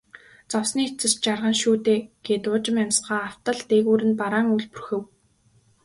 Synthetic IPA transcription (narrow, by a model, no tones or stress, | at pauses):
t͡sɔwsniːt͡sɘ̆st͡ɕarʁə̆nʃuːt̪eːɡ̥eːt̪ʊːt͡ɕɪ̆mæmʲsɢaːaw̥t̪ə̆ɮt̪eɣuːɾɘ̆npaɾaːŋuɮpu̥rxɘ̆w